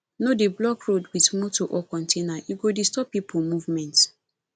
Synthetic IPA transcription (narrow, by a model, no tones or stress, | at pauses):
nodeblɔkɹodwitmotoʔɔkɔ̃ntʰenajuɡodistɔpːipʰumuvmɛ̃nt